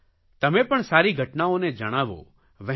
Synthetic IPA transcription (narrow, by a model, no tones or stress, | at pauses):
t̪ɐmẽpɐɳ̃saːɾiɡʱɐʈnaõnɛd͡ʒəɽ̃aːʋo̰ː | ʋə